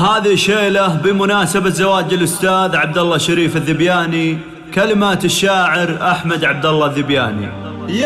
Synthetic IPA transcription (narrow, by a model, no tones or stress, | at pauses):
haːðiʃeːlabɪmʊnaːsabazawaːd͡ʒɪlʔʊst̪aːðʕab̚d̪alːɑʃːaɾiːfɪðːɪbjaːni | kalɪmaːt̪ɪʃːaːʕɪɾʔaħmad̪ʕab̚d̪alːɑðːɪbjaːnḭ